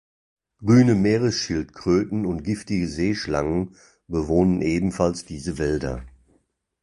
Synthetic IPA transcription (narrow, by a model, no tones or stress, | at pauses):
ɡ̥ʁyːnəmeːʁəsʃɪltkʁ̥øːtn̩ʊnt̚ɡ̥ɪftɪɡəzeːʃlaŋən | bəvoːnənʔeːbm̩falsd̥iːzəvɛldɐ̰